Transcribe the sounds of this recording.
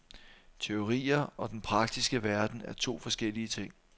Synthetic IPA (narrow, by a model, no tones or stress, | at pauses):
t͡sʰe̝o̝ʁḭːɐɒ̽d̥enpʰʁɑ̈ɡ̥̚d̥isɡ̥əʋæɐd̥n̩æɐt͡sʰo̝̰ːfɒ̽sɡ̥el̰iət͡sʰe̝ŋ̰